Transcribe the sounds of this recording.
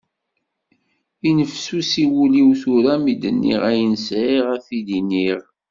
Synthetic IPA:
inəfsusiwuliwθuɾæmid̪ənːḭʁæjənsʕiʁæfid̪iniʁ

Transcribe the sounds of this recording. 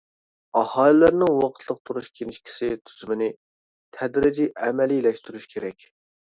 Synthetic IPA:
ɑhɑlɨlæɾnɨŋwɑqʰə̥t̪ʰlˠəq̚t̪ʰuɾuʃkʲʰenɪʃkʲʰi̥sɪt̪ʰyz̥mɪnɪ | t̪ʰɛd̪ɾɪd͡ʒiʔɛmɛlilɛʃt̪yɾyʃkʲʰeɾɛkʲ

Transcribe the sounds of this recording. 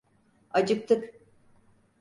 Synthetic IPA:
ad͡ʒɯk̚t̪ʰɯk

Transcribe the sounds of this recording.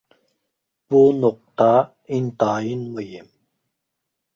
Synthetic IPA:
b̥unoq̚t̪ɑ | int̪ɑːjinmɯjim

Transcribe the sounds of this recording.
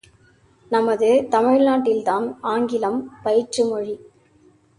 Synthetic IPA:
nɐmɐðɯt̪ɐmɪɻnaːʈːɪlt̪aːnaːŋɡɪlɐmpɐjɪʈt͡ʃɯmɔɻi

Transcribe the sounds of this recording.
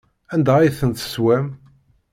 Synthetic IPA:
ænd̪æjθənt̪ə̥swæm

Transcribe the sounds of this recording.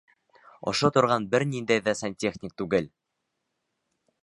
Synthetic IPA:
ŏ̰ʃot̪ŏɾʁɑnbɘɾnind̪æjðæsɐnʲtʲe̞χnʲɪk̚t̪ʉɡɘl

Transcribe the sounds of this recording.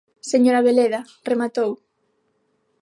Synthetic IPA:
seɲoɾaβeleða | remat̪ow

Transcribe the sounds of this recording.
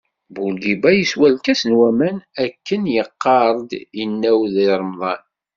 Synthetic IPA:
bulɡibæjəswælkæsənwæmænækːənjəqːɑɾˤd̪jənːæwðiɾˤmðˤɑn

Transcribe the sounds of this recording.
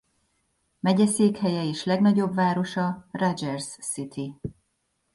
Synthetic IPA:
mɛɟɛseːkhɛjɛeːʃlɛɡnɒɟo̞bvaːɾo̞ʃɒrad͡ʒɛrsːit̪ʰi

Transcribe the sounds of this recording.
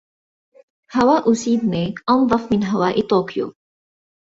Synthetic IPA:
hawaːʔʊsiːd̪niːʔɑnðˤɑfmɪnɦawaːʔt̪oːkjṵ

